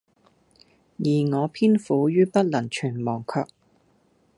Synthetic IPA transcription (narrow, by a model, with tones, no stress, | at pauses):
jiː˨˩ŋɔː˨˧pʰiː˥nfuː˨˧jyː˥pɐ˥t̚lɐ˨˩nt͡ʃʰyː˨˩nmɔː˨˩ŋkʰœː˧k̚